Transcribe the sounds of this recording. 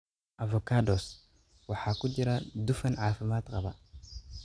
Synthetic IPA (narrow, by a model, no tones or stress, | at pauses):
ʔavokados | waħakudiɾadufɐnʕafimat̪ɣaba